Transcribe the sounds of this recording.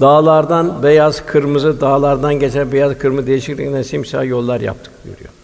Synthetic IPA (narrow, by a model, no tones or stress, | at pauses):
d̪aːlˠaɾd̪anbejazkʰɯɾmɯzɯd̪aːlˠaɾd̪anɟet͡ʃʰæɾbejazkʰɯɾmɯzd̪ejiʃiclʲiknɛnsimsa̰ːjo̞lˠːaɾja̰p̚t̪ʰɯ̥k̚ɟø̰ɾy̰jo̰